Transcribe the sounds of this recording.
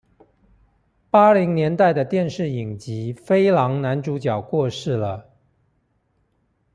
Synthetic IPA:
pa˥li˧˥ŋnjɛ˧˥nt̪a˥˩ɪd̪ə˩t̪jɛ˥˧nʂɻ̩˥˩i˨˩ŋt͡ɕi˧˥fe˥ɪlɑ˧˥ŋna˧˥nʈ͡ʂu˧˥t͡ɕjɑ˨˩ʊkwɔ˥˧ʂɻ̩˥˩lə˩

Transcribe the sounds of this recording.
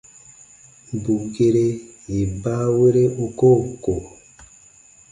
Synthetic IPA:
bu˨ɡe˦ɾe˦ji˨ba˦we˦ɾe˦o˨ko˦ko˨

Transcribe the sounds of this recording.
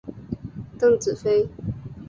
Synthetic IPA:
t̪ɤ˥˩ŋt͡sɹ̩˨˩fe˥ɪ

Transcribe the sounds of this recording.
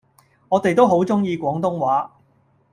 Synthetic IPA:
ŋɔː˨˧t̪e˨jt̪o˥wɦo˨˥wt͡sʊ˥ŋjiː˧kʷɔː˨˥ŋt̪ʊ˥ŋwaː˨˥

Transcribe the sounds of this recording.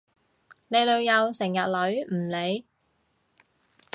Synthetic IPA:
ne˨˧jlɵ˨˧ɥjɐ˨˧wsɪ˨˩ŋjɐ˨t̚lɵ˨˥ɥm̩˨˩le˨˧j

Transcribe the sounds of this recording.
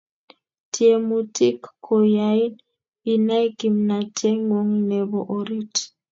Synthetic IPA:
ti˨e˨mu˨ti˦kkːɔ˨ja˦i˦n | i˨na˦jki˨mna˨tʰɛ˦ŋo˦ŋnɛ˨βɔ˦ʔo˨ɾi˦t

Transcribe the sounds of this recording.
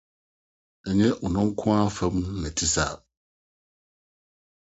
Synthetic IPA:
ɛ˨ɲɛ̃˦ʔɔ˨nʊ̃˦ŋ̩˦kʰʊ̃˦a˦fɛ˦mũ˦nɛ̃˨tʰi˦sa̰˨

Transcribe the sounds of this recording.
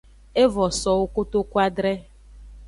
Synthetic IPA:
e˦vɔ˨sɔ˨wʊ˦kʊ˦to˦kʷa˦dɾɛ˦

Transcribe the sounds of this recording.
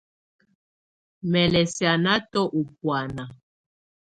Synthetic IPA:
mɛ˨lɛ˨sja˨na˦tɔ˦ʔu˨p̚wa˨na˨

